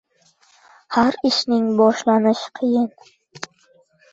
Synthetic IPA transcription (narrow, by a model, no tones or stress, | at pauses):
haɾɪʃnɪŋbɒʃlanɪʃqʰɨjɪn